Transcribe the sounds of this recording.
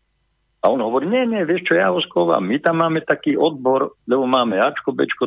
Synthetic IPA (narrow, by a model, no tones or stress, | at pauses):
aɔnɦɔʋɔɾiːɲɛɲɛʋjɛʃt͡ʃɔjaɦɔskoʋa̰ːmːit̪amːaːmɛt̪akiːʔɔd̪̚bɔɾʎɛbɔmaːmɛjat͡ʃkɔbɛ̰t͡ʃkɔ